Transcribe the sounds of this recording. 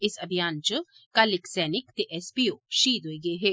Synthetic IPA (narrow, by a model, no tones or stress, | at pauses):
ɪsɐbʱijaːnt͡ʃ | kaːlɪksɛːnɪkt̪eʔɛspiːoːʃiːd̪ɦoːiɡəeɦeː